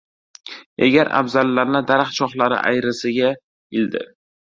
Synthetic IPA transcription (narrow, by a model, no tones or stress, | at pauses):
eɡʲaɾa̰bzalːaɾnɪd̪aɾaχt͡ʃʰɒχlaɾɪ̰ʔa̰jɾɪsɪɡʲa | ɪld̪ɪ̰